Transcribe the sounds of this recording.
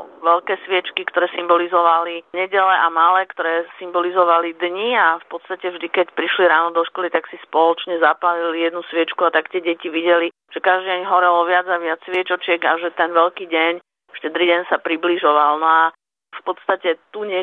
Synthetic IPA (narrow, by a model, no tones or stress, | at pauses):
ʋɛlkɛːsʋɪɛt͡ʃkikt̪ɔɾɛːsimbɔlizɔʋaliɲɛɟɛlɛʔamalɛːkt̪ɔɾɛːsimbɔlizɔʋalid̪ɲiafpɔt̪st̪acɛvʒd̪ikɛcpɾiʃliɾaːnɔd̪ɔʃkɔlit̪aksispɔlɔt͡ʃɲɛzapalilijɛd̪nusʋɪɛt͡ʃkuat̪akt̪ɛɟɛciʋiɟɛli | ʒ̥ɛkaʒd̪iɟɛɲɦɔɾɛlɔʋɪad͡zaʋɪat͡ssʋɪɛt͡ʃɔt͡ʃɪɛɡaʒɛt̪ɛnʋɛlkiːɟɛɲ | fʃtɛd̪ɾiɟɛɲsapɾibliʒɔʋalnɔa | fpɔt̪st̪acɛt̪uɲɛ